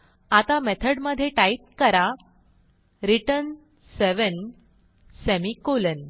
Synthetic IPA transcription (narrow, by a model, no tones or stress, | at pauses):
at̪amɛt̪ʰəɽməd̪ʱːjeʈaiʈ̚kəɾa | ɾiʈən | seʋən | semikolən